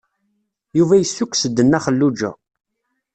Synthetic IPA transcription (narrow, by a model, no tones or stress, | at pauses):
juvæjəsːukʷːsəd̪ːənːæχəlːud͡ʒæ̰